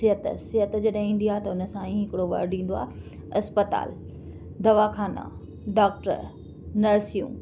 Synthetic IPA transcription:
ɪɦət̪sɪɦət̪d͡ʑɐɗĩːn̆d̪iaːɦet̪ɐʊnə̆sãĩɦɪkɪɽoʋɐ̰ɾɖĩːn̆d̪oaːɦe | ɐspət̪a̰ːl | d̪ʱɐʋaxʰaːnã̰ | ɖaːk̚ʈə̰ɾ | nɐɾsijṵ̃ː

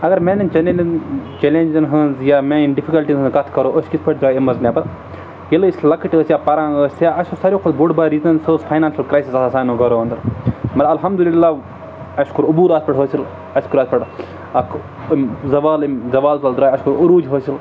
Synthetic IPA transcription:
ɐɡɐɾmẽːnɐnt͡ʃɐnelnt͡ʃelẽnʲd͡ʒɐnɦɐnzjaːmẽinɖipʰikɐlʈizɦɨ̃nzɡɐt̪ʰkɐɾoːʔoʃkispʰɐʈ̚d̪ɾaːemɐznẽːpɐɾ | jeləisʲlɐkiʈəːsjaːpɐɾãːəːsʲjaɐʃusɐɾjõːkʰolboɽbaːɾiːzɐnsoːzpʰaːjnaːnʃɐlkɾaːjsisɐɐsaːnõɡɐɾoːɐ̃nd̪ɐɾmɐɾɐlɦɐmd̪uliɪlːaː | ɐʃkuɾʊbuːɾaːspɐʈɦoːsil | ɐʃkuɾaːspɐʈ | ɐkʰ | zɐʋaːlzɐʋaːlt̪ɐld̪ɾaːjɐʃkuɾuɾuːd͡ʒɦoːsil

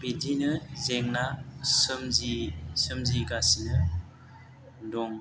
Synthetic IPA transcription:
bidinɯzeŋnasɯmzisɯmziɡasinɯ | dɔŋ

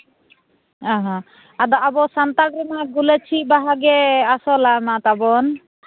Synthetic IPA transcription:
aɦã | ad̪ɔʔabɔsant̪aɡɾɛnaɡulat͡ʃʰibaɦaɡɛasɔlamat̪abɔn

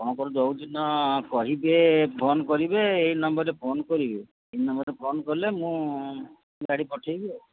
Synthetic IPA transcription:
kɔɽ̃ɔkɔɾud͡ʒɔwd͡ʒinːɔkɔɦibepʰonkɔɾibeːjnɔmbɔɾːepʰonkɔɾibe | ejnɔmbɔɾepʰonkɔɾlemũ | ɡaɽipɔʈʰajbe

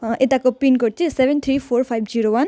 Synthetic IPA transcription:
et̪akopinkoʈ̚t͡ʃʰesebʱent̪ʰɾipʰoɾpʰajbʱd͡ʒiɾowan

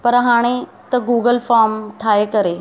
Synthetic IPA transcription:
pɐɾɦaːɽ̃e | t̪ɐɡuːɡəlfaːɾmʈʰaːekɐɾe

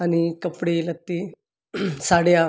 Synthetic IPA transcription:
añikəpɽelət̪ːi | saɽja

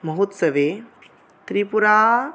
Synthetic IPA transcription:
mɐɦot̪sɐʋeː | t̪ɾipuɾaː

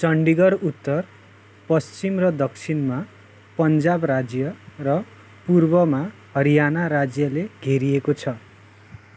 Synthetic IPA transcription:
t͡sʌɳɖiɡʌɾut̪ːʌr | pʌst͡simrʌd̪ʌkt͡sʰinma | pʌnd͡zabrad͡zjʌrʌ | purbʌmahʌɾijanaɾad͡zjʌleɡʱeɾiekot͡sʰʌ

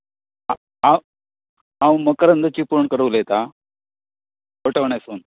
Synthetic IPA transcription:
a | aw | ɦãwməkəɾənd̪ʱət͡ɕipuɾɳkəɾəʋləjet̪a | əʈəʋɳason

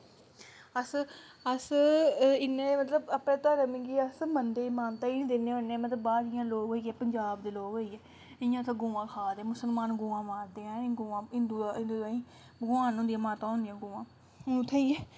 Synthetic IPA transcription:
əs | əs | ɪnːeːmət̪ləbəpnẽːt̪aːɾəmiɡiəsmənd̪eːɪmaːnt̪aːiniːd̪eːneːonːeɛ̃ːmət̪ləbaːɾɪjãːloːɡɦoːiːɛːpəɲd͡ʒaːbd̪eːloːɡɦoːiːɛː | ɪjãːt̪ãɡoːãːkʰaːd̪eɛ̃ːmʊsəlmaːnɡoːãːmaːɾd̪eãːɡoːãːɦɪnd̪uːɪ̃nd̪uːĩː | bəɡʊaːnɦõːnd̪iãːmaːt̪ãːɦoʊ̃ːnd̪ɪjãːɡoːãː | t̪ʰːẽːiːɛː

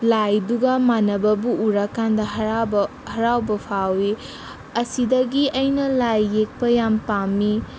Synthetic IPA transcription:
lajduɡɐmanɐbɐbuʔːɾakːandɐɦb | hɐɾawbɐpʰawi | ɐsidɐɡiʔɐjnɐlajːek̚pɐjampami

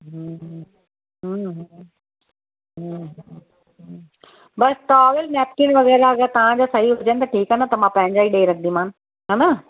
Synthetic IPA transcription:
ɦə | ɦəɦ | ɦɦ | ɦ | bɐsʈɔːʋəlnɛːp̚kɪ̃nʋɐɣɛːɾaɐɡɛt̪ɐʋ̤ãd͡ʑaːsɐɦiɦʊd͡ʑənɪt̪ɐʈʰiːkɦant̪ɐmãpɐ̃ɦɪ̃ɲd͡ʑaːiɗeːɾɐkʰnd̪imãːn | ɦana

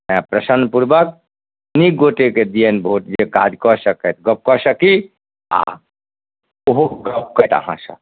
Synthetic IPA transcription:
mãpɾəsənpuɾbək̚ | nikɡoʈeked̪ijənbʱoʈd͡ʒekad͡ʒ̪kɔsəkɛt̪ɡəp̚kɔsəki | a̰ | oɦoɡəp̚kət̪ə̰ɦã̰sə̰̃

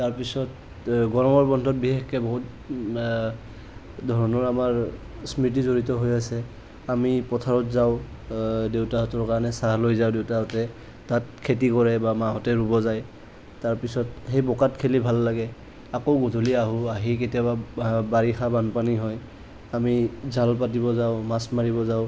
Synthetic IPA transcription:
taɹpisɔt | ɡɔɹɔmɔɹbɔndʱɔt̚bixekkɛbɔɦut | dʱɔɹɔnɔɹamaɹ | smɹit̬izoɹitɔɦojasɛ | amipɔtʰaɹɔtzaʊ̃ | dewtaɦɔtɔɹkaɹɔnɛsaɦlojzawdewtaɦɔtɛ | tat̚kʰetikɔɹɛbamaɦɔtɛɹubɔzaj | taɹpisɔtxejbɔkatkʰelibʱalːaɡɛ | akoʊɡodʱuliaɦuaɦik̬etijaβabaɹixabanpaniɦɔj | amizʱalpatibɔzaʊmasmaɹibɔzaʊ

